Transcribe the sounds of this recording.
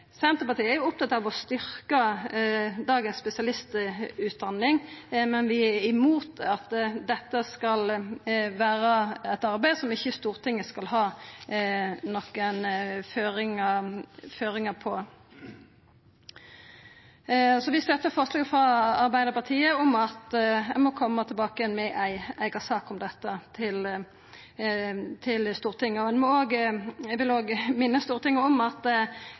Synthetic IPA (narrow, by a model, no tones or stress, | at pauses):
sɛnt̪ʁəpɑt̪ʰiːəæɾjʊɔp̚t̪ɑt̪ːɑːʋɔst̪ʏɾkə | d̪ɑːɡənsspɛsɪɑlɪst̪ʉːt̪̚d̪ɑnːɪŋmɛnʋɪɪmuːt̪ɑt̪d̪ɛt̪ːəskɑl | ʋæːɾəɛt̪ɑɾbæɪd̪sɔmɪçːəst̪uːʁt̪ʰɪŋːəskɑlhɑː | nɔkːənføːɾɪŋəføːɾɪŋəpʰɔ | sɔʋɪst̪œt̪ːəfɔɾʂlɑːɡəfɾɑɑɾbæɪd̪əɾpɑt̪ʰiːəɔmɑt̪æɪmɔkʰɔmːət̪ʰɪlbɑːkəjɛnmɛʔæɪæɪɡɑsɑːkɔmd̪ɛt̪ːət̪ʰɪl | t̪ʰɪlst̪uːʁt̪ʰɪŋːəɔɛnmɔoːɡʋɪloːɡmɪnːəst̪uːɾt̪ʰɪŋːəɔmɑt̪